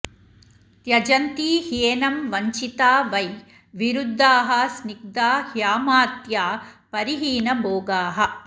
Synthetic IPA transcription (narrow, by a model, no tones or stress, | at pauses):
t̪jɐd͡ʒɐnt̪iːheːnɐmʋɐɲt͡ʃit̪aːʋɐj | ʋiɾud̪ʱːaːɦɐ̆snik̚d̪aːhjaːmaːt̪jaːpɐɾiɦiːnɐboːɡaːɦɐ